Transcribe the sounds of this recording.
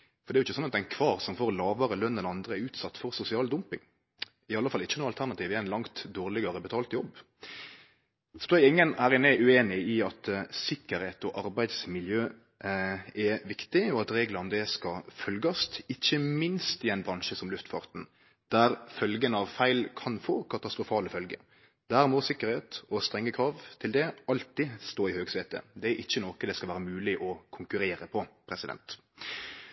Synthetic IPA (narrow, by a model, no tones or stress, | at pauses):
fɔɾd̪ɛæɾʊɪçːəsɔnɑt̪d̪ɛɪnkʰʋɑːɾsɔmfoːɾlɑːʋəɾəlœnːɛnɑnd̪ɾʁəɛʉːt̪sɑt̪ːfɔɾsʊsɪɑːld̪ʊmpɪ̰ŋ | ɪɑlːəfɑlːɪçːənuːɑlt̪ʰæʁnɑt̪iːʋɪæɪnlɑŋt̪d̪oːʁlɪɡɑɾəbɛt̪ʰɑːlt̪jɔbː | sd̪oːɛɪŋːənhæːɾɪnɛʔʉeːnɪɪɑt̪sɪkːəɾeːt̪ɔʔɑɾbæɪd̪smɪljøː | ɛʋɪkt̪ɪɔɑt̪ɾeːɡlɑnd̪ɛskɑfœlɡəst̪ɪçːəmɪnst̪ɪæɪnbɾɑŋʃəsɔmlʉft̪fɑ̰ːʁt̪n̩ | d̪̥æɾfœlɡənɑʋfæɪlkʰɑnfoːkʰɑt̪ɑst̪ʁʊfɑːləfœlɡə̰ | d̪̥æːɾmɔsɪkːəɾheːt̪ɔst̪ɾɛŋːəkʰɾɑːʋt̪ʰɪld̪ɛɑlt̪ɪst̪oːɪhøːɡseːt̪ə̰d̪ɛæʔɪçːənɔkəd̪ɛskɑʋæːɾəmʉːlɪʔɔkʰʊŋkʉɾeːɾəpʰɔpʰɾɛsɪd̪ɛ̰nt̪